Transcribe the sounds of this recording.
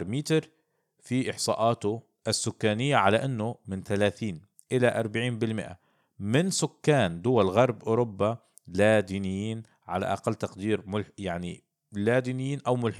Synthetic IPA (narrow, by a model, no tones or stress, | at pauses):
ɾmiːt̪ɾ | fiʔɪħsˤɑ̰ːʔɑːt̪ʊ | ʔasːʊkːaːnɪjːaʕalaʔɪnːʊmɪnθalaːθiːn | ʔɪlaʔɑɾˤbaʕiːnbɪlmɪ̰ʔa̰ | mɪnsʊkːaːnd̪ʊwalɣɑɾˤbʔʊːɾʊbːa | lad̪iːnɪjːiːn | ʕala̰ʔa̰qalːt̪ɑqd̪iːɾmʊlħjaʕni | lad̪iːnɪjːiːnʔawmʊlħ